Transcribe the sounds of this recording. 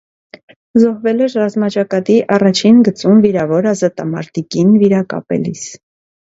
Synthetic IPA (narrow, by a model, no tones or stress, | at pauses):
zɔhvɛlɛɾrɑzmɑt͡ʃɑkɑt̪iʔɑrɑt͡ʃʰinɡət͡sumviɾɑvɔɾɑzɑt̪ɑmɑ̰ɾt̪ikinviɾɑkɑ̰pɛ̰lḭs